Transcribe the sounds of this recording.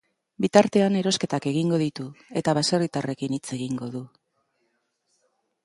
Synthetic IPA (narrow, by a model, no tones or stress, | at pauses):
bit̪aɾt̪e̞ane̞ɾo̞ske̞t̪ake̞ɣ̞iŋɡo̞ðit̪ue̞t̪aβ̞ase̞rit̪are̞kinit͡se̞ɣiŋɡo̞ðu